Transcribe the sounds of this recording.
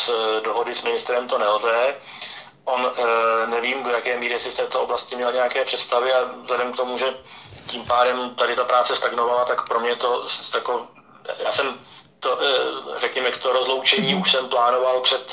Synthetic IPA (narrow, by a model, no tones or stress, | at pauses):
sdo̞ɦo̞dɪsmɪnɪst̪ɾɛmt̪o̞nɛlzɛ | ʔo̞nnɛviːmdo̞jakɛːmiːɾɪsɪft̪ɛːt̪ooblascɪmɲɛlaɲɛjakɛːpr̥ɛt̪st̪avɪazlɛdɛmkt̪o̞muʒɛciːmpaːdɛmt̪adɪt̪apɾaːt͡sɛst̪aɡnovalat̪akpɾo̞mɲɛt̪o̞sjako | jaːsɛmt̪orɛkɲɛmɛkt̪oɾo̞zlowt͡ʃɛɲiːuʃsɛmplaːno̞valpr̝̥ɛt̪